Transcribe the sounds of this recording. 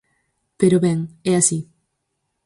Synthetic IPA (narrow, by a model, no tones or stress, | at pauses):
peɾoβɛŋɛasi